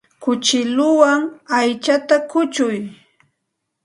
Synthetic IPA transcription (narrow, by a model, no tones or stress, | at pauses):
kʊt͡ʃɪlʊwaŋajt͡ʃat̪akʊt͡ʃʊj